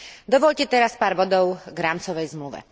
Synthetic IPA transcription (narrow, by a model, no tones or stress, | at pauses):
d̪ɔʋɔʎcɛt̪ɛɾaspaːɾbɔd̪ɔʊɡɾaːmt͡sɔʋɛjzmluʋɛ̰